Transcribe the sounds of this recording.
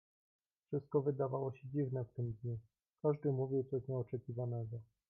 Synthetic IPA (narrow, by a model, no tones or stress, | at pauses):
fʂɘst̪̚kɔvɘd̪avawɔɕɛd͡ʑivnɛft̪ɘmd̪ɲu | kaʐd̪ɘmuvʲiwt̪sɔɕɲɛɔt͡ʂɛkʲivanɛɡɔ